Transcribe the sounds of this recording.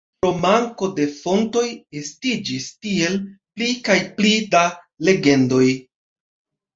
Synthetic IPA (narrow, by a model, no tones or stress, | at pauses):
pɾo̞maŋko̞de̞fo̞nto̞je̞stid͡ʒistie̞lplikajplida | le̞ɡe̞ndo̞j